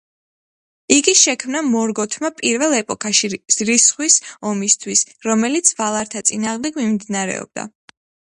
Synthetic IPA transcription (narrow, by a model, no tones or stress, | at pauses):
iɡiʃɛkʰmnamɔɾɡɔt̪ʰmapʼiɾvɛlˠɛpʼɔkʰaʃiz̥ɾisχwisɔmist̪ʰwisɾɔmɛlit̪sʰvalˠaɾt̪ʰat̪sʼinaːʁmd̪ɛɡmimd̪inaɾɛ̰ɔ̰b̥̚d̪a̰